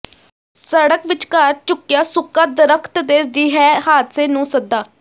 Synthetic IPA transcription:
səɽəkʋɪt͡ʃkəɾt͡ʃʊkːɪjaːsʊkːaːd̪əɾəkʰt̪d̪eːd͡ʒiːɦɛːhaːt̪seːnũːsəd̪ːaː

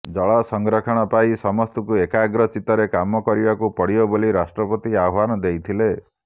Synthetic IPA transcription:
d͡ʒɔɭɔsɔŋɡɾɔkʰɔɽ̃ɔpajsɔmɔst̪ɔkuekaɡɾɔt͡ʃit̪ɔɾekamɔkɔɾibakupɔɽiɔboliɾasʈɾɔpɔt̪iaɦwanɔd̪ejt̪ʰile

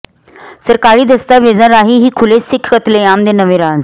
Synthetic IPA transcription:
səɾkaɭiːd̪əst̪aʋed͡zə̃ɾaɦiːɦiːkʰulesikʰkət̪leamd̪enəʋẽɾãd͡z

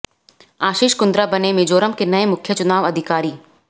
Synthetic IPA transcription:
aːʃiːʃkʊ̃nd̪ɾabɐnemẽd͡ʒoːɾəmkenɐemʊkʰjət͡ʃʊnaːʋɐd̪ʱɪkaːɾiː

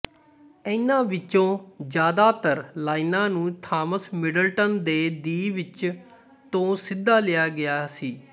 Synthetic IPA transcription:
ɛɪnãːʋɪt͡ʃõːd͡ʒjaːd̪aːt̪əɾlaːɪnãːnũːt̪ʰaːməsmɪɖəlʈənd̪eːd̪iːʋɪt͡ʃ | t̪õːsɪd̪ːaːlɪjaːɡɪjaːsiː

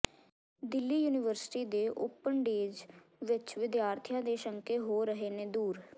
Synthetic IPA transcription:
d̪ɪlːiːjuːnɪʋəɾsʈiːd̪eːʔʊpːəɳɖeːd͡ʒʋɪt͡ʃʋɪd̪jaːɾt̪ʰijãːd̪eːʃəŋkeːɦoːɾəɦeːneːd̪uːɾ

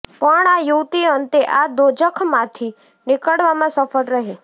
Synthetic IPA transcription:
pəɳajuʋt̪iənt̪eʔad̪od͡ʒəkʰmãt̪ʰi | nɪkəɽʋamãsəfəɽɾəɦe

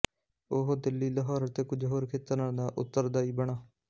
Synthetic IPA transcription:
oɦoːd̪ɪlːiːləɦɔːɾt̪eːkʊd͡ʒɦoːɾkʰeːt̪ːəɾãːd̪aːʔʊt̪ːəɾd̪aːiːbəɳ̃aː

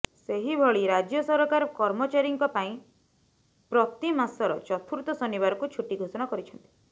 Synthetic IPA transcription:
seɦibʱɔɭiɾad͡ʒjɔsɔɾɔkaɾɔkɔɾmɔt͡ʃaɾiŋkɔpaĩ | pɾɔt̪imasɔɾɔ̰t͡ʃɔt̪ʰuɾut̪ɔsɔniβaɾɔkut͡ʃʰuʈːiɡʱosɔnakɔɾit͡ʃʰɔnt̪i̥

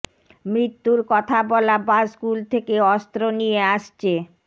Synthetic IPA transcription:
mɾit̪ːuɾkɔt̪ʰabɔlabaskult̪ʰekeɔst̪ɾonijeaʃt͡ɕʰe

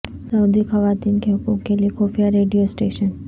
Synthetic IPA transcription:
səwd̪ʱikhəʋat̪inkʰekukelikofijaɾeɖijosʈeʃən

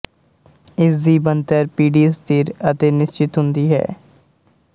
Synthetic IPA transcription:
ɪsd̪iːbənt̪əɾpiːɖiːst̪iːɾət̪eːnɪst͡ʃɪt̪ɦʊnd̪iːɦɛ̰ː

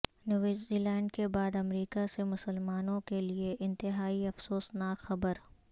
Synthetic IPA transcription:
nuʋɪzilɛ̃ːɳɖ̚kebaːd̪ɐmɾiːkasemʊsəlmaːnõkelieʔɪ̃nt̪ɪɦaːiɐfsoːsnaːkxɐbəɾ

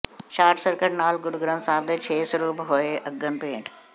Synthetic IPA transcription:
ʃaːʈsəɾkəʈnaːlɡʊɖɡɾə̃nsãːbd̪et͡ʃʰeːsɾuːbɦoeʔɐɡənpeːɳɖ

